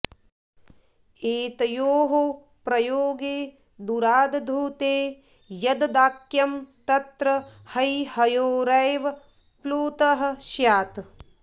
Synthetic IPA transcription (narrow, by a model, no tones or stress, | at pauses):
eːt̪ɐjoːɦo | pɾɐjoːɡeː | d̪uɾaːd̪ɐd̪ʱuːt̪eː | jɐd̪ɐd̪aːkjɐmt̪ɐt̪ɾɐhɐjhɐjoːɾɐjʋɐ | pluːt̪ɐɦɐ̆ʃjaːt̪